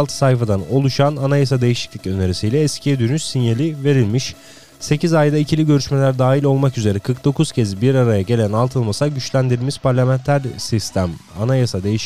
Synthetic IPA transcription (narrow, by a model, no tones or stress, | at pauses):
lˠt̪ʰɯ̥sajfad̪ano̞lˠuʃananajasad̪e̞jiʃi̥clʲi̥cø̞ne̞ɾisijlʲɛɛscʰijɛd̪ynysːinjelʲive̞ɾilʲmiʃ | se̞cizajd̪aicʰilʲiɟø̞ɾyʃme̞lʲæɾd̪aːɦilʲo̞lˠmakyze̞ɾɛkʰɯɾk̚d̪o̞kʰuz̥cʰɛzibiɾaɾajaɟe̞lʲænalˠt̪ʰɯlˠmasaɟyt͡ʃlʲænd̪iɾilʲmiz̥paɾlʲamænt̪ʰæɾsist̪ʰæma̰najasad̪e̞jiʃ